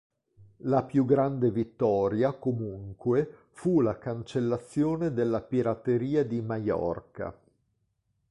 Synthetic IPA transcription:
lapjuɡɾand̪evit̪ːɔːɾjakomuŋkwe | fulakant͡ʃelːat̪sːjoːned̪elːapiɾat̪ːeɾiːad̪imajɔ̰rka̰

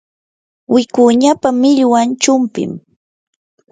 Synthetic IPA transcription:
wɪkʊɲapamɪʎwant͡ʃʊmpɪ̰m

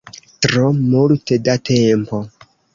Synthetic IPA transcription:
tɾomultedatʰempo

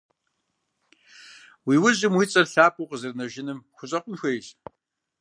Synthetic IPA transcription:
wiːwʊʑɪmwiːt͡sʼɐrɬaːpʼuqəzɨrnɐʒɪnɨmxʷʊɕʼɐqʷʊnxʷɐjɬ

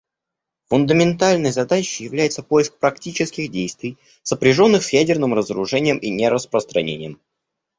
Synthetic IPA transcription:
fʊnd̪əmʲɪnt̪alʲnəjzɐd̪at͡ɕɪjɪvlʲæjɪt̪səpojɪsk̚pɾɐktʲit͡ɕɪskʲɪɣdʲejst̪vʲɪj | səpɾʲɪʐo̞nːɨxsjædʲɪrnɨmrəzəɾʊʐɛnʲɪjəmʔinʲeɾəspɾəst̪ɾɐ̰nʲḛnʲɪjəm

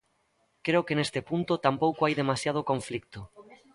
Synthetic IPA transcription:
kɾeokenest̪epunt̪ot̪ampowkoajðemasjað̞okõɱflik̚t̪o

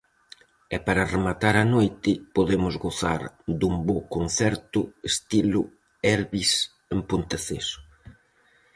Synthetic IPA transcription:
ɛpaɾɐremat̪aɾanojt̪ɪpoðemʊzɣoθa̰ɾd̪umbokonθɛɾt̪ʊest̪ilʊ | ɛɾβis | empont̪aθesʊ̥

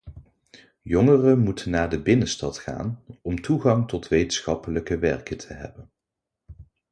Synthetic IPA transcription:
jɔŋərəmutʰənːaːɹdəbɪnəstɑtχa̰ːnɔmtuχɑŋtɔtʋejtənsχɑpələkəʋɛɹkətʰəɦɛ̰bən

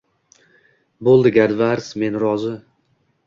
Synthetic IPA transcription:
bolˠd̪ɪɡʲaɾd̪vaɾsme̞nɾɒzɪ

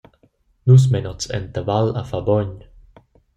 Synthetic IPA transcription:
nus̬mɛnɔt͡sɛ̰nt̪avala̰fabɔɲ

